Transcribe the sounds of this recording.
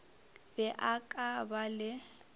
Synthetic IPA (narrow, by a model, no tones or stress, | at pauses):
bɛʔakʼabalɪ